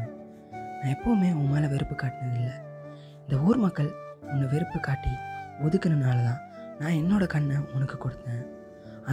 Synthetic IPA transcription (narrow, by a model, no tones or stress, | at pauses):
nãːɛpːoːmeːʊmeːlɐʋɛɾɯpːɯkːaːʈːɪnɐðɪlːɐ | ɪnd̪ɐuːɾɯmɐkːɐɭɔnːɐʋɛɾɯpːɯkaːʈːiɔðɯkːɐnɐnaːlɐðãː | nãːɛnːoːɽɐkɐɳːɐmɔnɐkːɯkːɔɽɯt̪ːẽː | ɐ